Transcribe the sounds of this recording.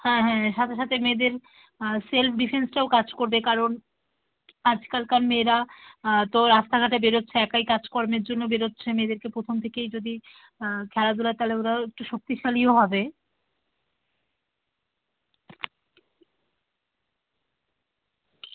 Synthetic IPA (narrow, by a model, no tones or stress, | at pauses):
hɛ̃ɦɛ̃ʃat̪ʰeʃat̪ʰemed̪eɾ | selfʰɖifʰensʈaokad͡ʑkoɾbekaɾon | ad͡ʑkalkanmeɾat̪oɾast̪aɡʱaʈebeɾotːɕʰeɛkajkad͡ʑkɔɾmeɾd͡ʑonːobeɾotːɕʰemed̪eɾkepɾot̪ʰomt̪ʰekejd͡ʑod̪i | kʰɛlad̪ulat̪aleoɾaek̚ʈuʃok̚t̪iʃalioɦɔbe